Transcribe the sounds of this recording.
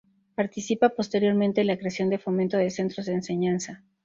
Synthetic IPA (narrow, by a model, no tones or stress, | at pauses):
paɾt̪isipapo̞st̪e̞ɾjo̞ɾmẽnt̪e̞lakɾeasjo̞nd̪efo̞mẽnt̪o̞ðe̞se̞nt̪ɾo̞zðe̞ːnse̞ɲansa